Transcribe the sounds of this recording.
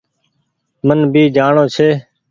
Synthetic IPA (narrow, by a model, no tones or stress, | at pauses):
mənbʱiːd͡ʒaːɳoːt͡ʃʰeː